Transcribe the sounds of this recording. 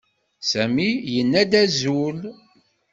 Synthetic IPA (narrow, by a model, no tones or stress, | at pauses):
sæmijənːæd̪æzul